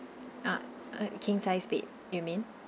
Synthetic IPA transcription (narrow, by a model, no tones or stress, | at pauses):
a | kʰĩŋsaɪspḭt̚ | jumĩn